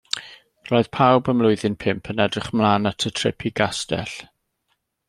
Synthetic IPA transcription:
roːɨð̥pʰawbəmlˠʊɨðɪnpʰɪmpʰənɛdrɪχmlˠaːnatʰətʰrɪ̰pʰiɡastɛ̰ɬ

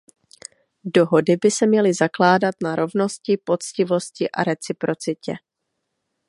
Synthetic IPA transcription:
do̞ɦo̞dɪbɪsɛmɲɛlɪzaklaːdat̪naɾo̞vno̞scɪpo̞t͡scɪvo̞scɪʔa̰ɾɛt͡sɪpɾo̞t͡sɪcɛ

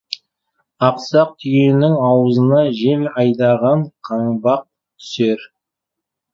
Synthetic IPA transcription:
ɑqsɑq̚t̪ʰʏjenɪŋɑwəzənɑʒe̞lɑjd̪ɑʁɑɴqʰɑɴbɑq̚ | t̪ʰʏ̥seɾ

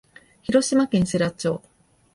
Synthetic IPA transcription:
çiɾo̞ɕimakẽ̞ɰ̃seɾat͡ɕo̞ː

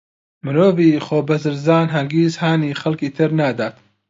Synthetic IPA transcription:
mɨnoːviːχoːbɐzɨɾzaːnɦɐŋɡiːzhaːniːxɐlkiːt̪ʰɨɾnaːd̪aːt̪

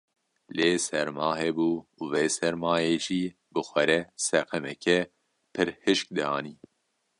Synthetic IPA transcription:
leːsɛɾmɑːɦɛbuːuveːsɛɾmɑːjeːʒiː | bɨxʷɛɾɛsɛqɛmɛkʰɛ | pʰɨɾhɨʃk̚d̪ɑːniː

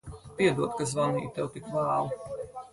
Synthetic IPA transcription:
piɛd̪uɔt̪kazvanḭːt̪ɛwt̪ikvaːlˠi

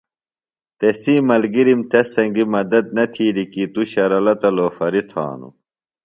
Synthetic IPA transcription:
t̪esiːmɐlɡiɾimt̪ɐsɐŋɡimɐd̪ɐd̪̚nɐt̪ʰiːɾikit̪uɕɐɾɐlɐt̪ɐloːfɐɾit̪ʰa̰ːnṵ

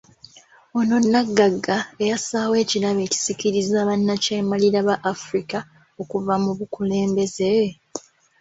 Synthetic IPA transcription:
o̞no̞nːaɡːaɡːaejasaːwe̞ːciɾaβe̞ːci̥siciɾizaːβanːace̞ːmaliɾaβaʔːfuɾika | o̞kuvamuβukule̞ːmbe̞ze

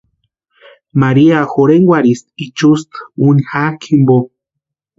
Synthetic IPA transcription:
maɾiaxoɾeŋɡwaɾis̚it͡ʃust̪unixakʰimbo

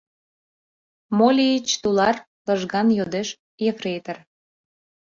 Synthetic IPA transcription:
molʲiit͡ɕt̪ulɑr | ləʒɣɑnjod̪eʃ | jefret̪ər

